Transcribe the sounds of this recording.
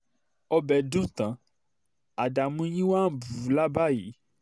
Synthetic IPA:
ɔ˦bɛ˨dũ˦˨t̪ã˨ | a˨da˨mũ˧˦jĩ˦wa˦˨bu˨la˦ba˦ji˨˦

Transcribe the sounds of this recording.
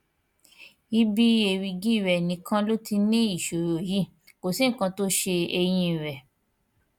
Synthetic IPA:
i˦bi˦e˧˨ɾi˧ɡi˦˨ɾɛ˨nĩ˨˦kã˦lo˦ti˧nĩ˦i˦˨ʃo˨ɾo˨ji˨˦˨ | ko˨si˦˨kã˧to˦ʃe˧e˧j̃ĩ˧˨ɾɛ˨

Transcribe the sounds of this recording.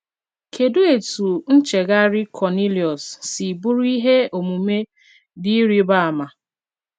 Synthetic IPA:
kʰe˨do˦e˨tu˨n̩˦t͡ʃe˨ɡa˦ɾɪ˦kʰɔ˨ni˦ljɔ˨sːi˨bu˦ɾu˦i˦ɦe˦o˨mu˨me˦ | di˦ɾi˦ba˦a˨ma˨

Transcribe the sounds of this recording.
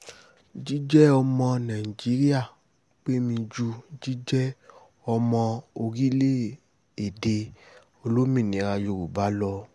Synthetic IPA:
d͡ʒi˦d͡ʒɛ˦ɔ˧mɔ̃˧nã˨i˨d͡ʒi˨˦ɾi˦a˦˨ | k͡pe˦mĩ˧d͡ʒu˧d͡ʒi˦d͡ʒɛ˦ | ɔ˧mɔ̃˧o˧ɾi˦le˦˨ | e˨de˧ | o˧lo˦mĩ˦˨nĩ˨˦ɾa˧jo˧˨ɾu˨ba˨˦lɔ˧

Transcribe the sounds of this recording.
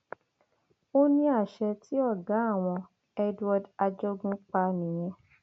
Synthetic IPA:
o˦nĩ˧˦a˦˨ʃɛ˧tʰi˦ɔ˦˨ɡa˨˦a˦˨w̃ɔ̃˧ | ɛ˦dwa˧da˧d͡ʒɔ˦ɡũ˦k͡pa˧nĩ˨j̃ɛ̃˧

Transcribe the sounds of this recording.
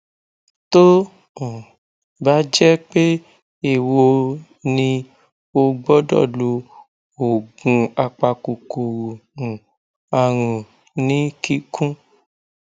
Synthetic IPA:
tõ˦˨ | ba˦d͡ʒɛ˦k͡pe˦ | e˦˨wo˧ | nĩ˧ | o˧ɡ͡bɔ˦dɔ̰˦˨lo˧ | o˨ɡũ˧a˧k͡pa˧ku˨ko˨wu˨ũ˨ | a˧ɾ̃ũ˨ | nĩ˨˦ki˦kʰũ˦

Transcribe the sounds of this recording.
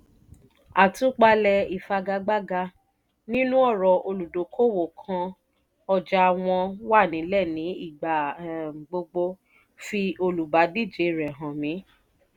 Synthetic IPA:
a˨tu˦k͡pa˧lɛ˧i˨fa˧ɡa˧ɡ͡ba˦ɡa˧ | nĩ˦nũ˦ɔ˦˨ɾɔ˨o˧lu˨do˨˦kʰo˦˨wo˨kʰã˧ | ɔ˦˨d͡ʒa˨˧˨w̃ɔ̃˧wa˦˨nĩ˨˦lɛ˦˨nĩ˨˦i˦˨ɡ͡ba˨ɡ͡bo˧ɡ͡bo˧ | fi˧o˧lu˨ba˨˦di˦˨d͡ʒe˨˦˨ɾɛ˨ɦã˨mĩ˨˦

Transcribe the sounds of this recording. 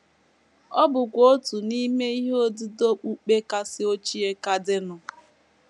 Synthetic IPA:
ɔ˦bʊ˨kʷo˦tu˨ni˦me˦i˦ɦo˦dɪ˦do˦k͡pu˦k͡pe˦ka˦sɪ˦o˦t͡ʃi˦e˦ka˦dɪ˦nʊ˨

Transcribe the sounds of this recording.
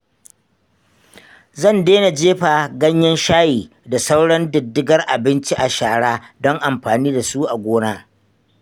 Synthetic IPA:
zɐ˦˨ndeː˦na˨d͡ʒeː˦ɸa˨ɡɐ˦ɲjɐ˦nʃaː˦jiː˨ | da˨sa˦wɽɐ˦ndʊ˨dːɪ˦ɡɐ˦rʔa˨bɪ˦nt͡ʃi˦ʔa˨ʃaː˨ɽaː˦dɔ˦ŋʔa˨mɸaː˨niː˦da˨su˦ʔa˨ɡʷoː˦naː˦

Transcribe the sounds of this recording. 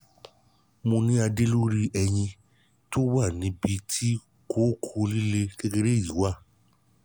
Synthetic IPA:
mõ˧nĩ˦a˧de˦lo˦ɾi˦ʔɛ˧jĩ˧ | to˦wa˦˨nĩ˨˦bi˧tʰi˦ | ko˦kʰo˧li˦le˧ɡe˦ɡe˦ɾe˦˨ji˨˦wa˦˨

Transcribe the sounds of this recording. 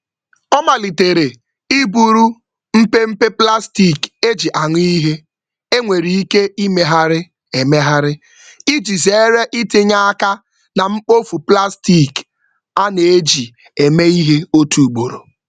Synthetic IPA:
ɔ˦ma˨li˨te˨ɾe˨ | i˦bu˨ɾu˦ | m̩˦pe˦m̩˦pe˦pla˦sti˦˨ke˦d͡ʒi˨ʔa˨ŋʷi˦i˦ɦe˦ | e˦ŋʷe˨ɾi˨i˦ke˦i˦me˦ɦa˦ɾɪ˦ | e˨me˦ɦa˦ɾɪ˦ | i˦d͡ʒi˨ze˨e˦ɾe˦ʔi˦tɪ˦ɲa˦a˦ka˦ | na˨ŋ͡m̩˦k͡po˦fu˨pla˦sti˦˨k | a˦ne˨e˦d͡ʒi˨ | e˨me˦i˦ɦe˦o˦tu˨ɡ͡bo˨ɾo̰˨

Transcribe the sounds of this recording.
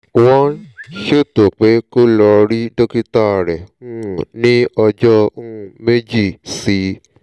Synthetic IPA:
wɔ̃˦ʃe˦˨to˨k͡pe˨˦ko˦lɔ˧ɾi˦do˦ki˦ta˦˨ɾɛ˨ũ˦˨nĩ˦ɔ˧d͡ʒɔ˦ũ˦˨me˦d͡ʒi˦˨si˨˦

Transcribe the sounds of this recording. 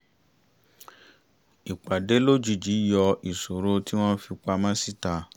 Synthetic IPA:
i˨k͡pa˨de˨˦lo˦d͡ʒu˧˨d͡ʒi˨˦jɔ˧i˨so˨ɾo˦ti˦w̃ɔ̃˦fi˧k͡pa˧mã˦si˦˨ta˧

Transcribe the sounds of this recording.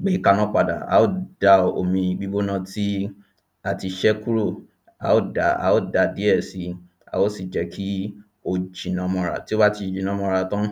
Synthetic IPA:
ɡ͡be˨˦i˦˨ka˧nã˦k͡pa˧da̰˨a̰˨˦o˦˨d̥a˧o̰˨mĩ˧ɡ͡bi˦ɡ͡bo˦nã˧ti˦ | a˨ti˧ʃɛ˦ku˦ɾo˦˨ | a̰˨˦o˦˨da˨a̰˨˦o˦˨da˧di˦ɛ˦˨si˧˦ | a̰˨o˦˨si˦˨d͡ʒɛ˨˦kʰi˦ | o˧d͡ʒi˨nã˧mɔ̃˧ɾa̰˨ti˦o˦ba˦ti˧˨d͡ʒi˨nã˨˧mɔ̃˧ɾa˧tã˦

